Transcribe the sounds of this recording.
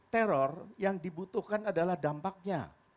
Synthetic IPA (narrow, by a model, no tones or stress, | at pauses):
t̪ɛɾɔrjaŋdibut̪uhkanadalahdampak̚ɲa̰